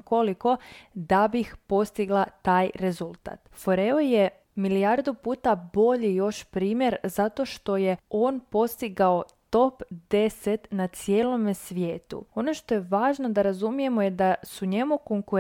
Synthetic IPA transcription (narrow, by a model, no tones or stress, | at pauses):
ko̞liko̞d̪abixpo̞st̪iɡlˠat̪aːjɾe̞zulˠt̪a̰t̪foɾeoje | milijaɾd̪upuːt̪abo̞ʎijo̞ʃpɾiːmje̞ɾzat̪o̞ʃt̪o̞je̞o̞ːnpo̞st̪iɡao̞t̪o̞pd̪e̞set̪nat̪sje̞ːlo̞mesʋje̞ːt̪ṵo̞no̞ʃt̪o̞jeʋaːʒno̞d̪aɾazumije̞mojed̪asuɲe̞muko̞ŋkuɾ